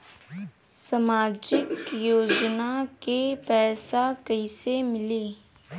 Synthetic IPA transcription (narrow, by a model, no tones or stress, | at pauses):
sɐmaːd͡ʒɪkjoːd͡ʒnakepɛːsakɐisemɪliː